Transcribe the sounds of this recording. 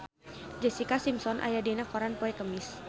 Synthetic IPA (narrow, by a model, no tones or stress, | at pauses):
d͡ʒɛsikasimsɔnʔa̰jadinakɔɾanpɔɛkəmis